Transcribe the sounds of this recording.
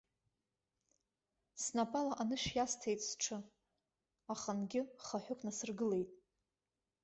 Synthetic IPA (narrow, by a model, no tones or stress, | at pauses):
snapʼalaʔanɨʃjastʰejtʼsʈ͡ʂʰɨ | aχanɡʲɪχaħʷᶣʊkʷʰʼnasɨrɡɨle̞jtʼ